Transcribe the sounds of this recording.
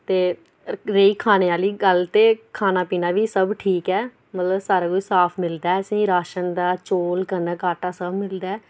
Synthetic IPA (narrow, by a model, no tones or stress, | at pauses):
t̪eː | ɾeiːkʰaːneːaːliːɡəlt̪eːkʰaːnaːpiːnaːʋiːsəbʈʰiːkɛː | mət̪ləbsaːɾaːkoisaːpʰmɪld̪aːɛəsĩːɾaːʃənd̪aːt͡ʃoːlkəɾnaːkaːʈaːsəbmɪld̪aːɛː